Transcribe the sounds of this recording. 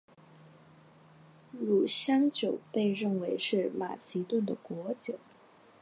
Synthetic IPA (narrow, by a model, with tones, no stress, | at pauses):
ɻu˨˩ɕjɑ˥ŋt͡ɕjo˨˩ʊpe˥˧ɪɻə˥˩nwe˧˥ɪʂɻ̩˥˩ma̰˨˩t͡ɕʰi˧˥t̪wə˥˩nd̪ə˩kwɔ˧˥t͡ɕjo˨˩˦ʊ